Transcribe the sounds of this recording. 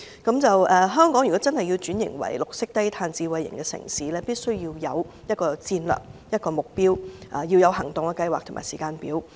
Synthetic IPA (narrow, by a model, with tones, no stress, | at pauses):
kɐ˨˥mt͡sɐ˨wʔɛː˨ɦœː˥ŋkɔː˨˥ŋjy˨˩ɔ˨˦˥t͡sɐ˥nhɐ˨ji˧wt͡ʃyː˨˥njɪ̰˨˩ŋwɐ̰˨˩jlʊ˨k̚sɪ˥k̚t̪ɐ˥jt̪ʰaː˧nt͡siː˧wɐ˧jːɪ̰˨˩ŋkɛ˧sɪ̰˨˩ŋsiː˨˥lɛː˥piː˥t̚sɵ˥ɥjiː˧wjɐ˨˧wjɐ˥t̚kɔː˧t͡siː˧nlœ̰ː˨k̚jɐ˥t̚kɔː˧mʊ˨k̚piː˥wʔa˨˧ji˧wjɐ˨˧whɐ˨˩ŋt̪ʊ˨ŋkɛ˧kɐ˧jwaː˨k̚t̪ʰʊ˨˩ma̰ː˨˩siː˨˩kaː˧npiː˨˥w